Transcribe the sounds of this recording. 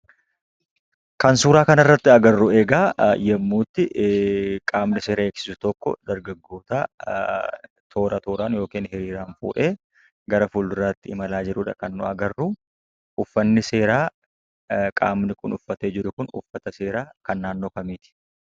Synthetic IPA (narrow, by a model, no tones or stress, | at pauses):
kɐnsuːɾaːkɐnɐrːɐt̪ːɪɐɡɐrːʊe̞ːɡaːjɛmːuːt̪ːɪʔkʼaːmnɪse̞ːɾɐeːksɪ̥sʊ̥t̪ɔkːɔ̰d̪ɐɾɡɐɡːoːt̪aː | t̪ʰo̞ːɾɐt̪oːɾaːnjo̞ːkiːnhɪɾiːɾaːnfṵːʔe̞ː | ɡɐɾɐfuːlʊɾat̪ːɪɪmɐlaːd͡ʒɪɾʊᶑɐ̰kɐnːʊɐɡɐrːʊ | ʔʊfːɐnːɪse̞ːɾaː | kʼa̰ːmnɪkʊnʊfːɐt̪eːd͡ʒɪɾʊkʊnʊ̰fːɐt̪ɐse̞ːɾaːkɐnːaːnːo̞ːkɐmiːt̪ɪ̥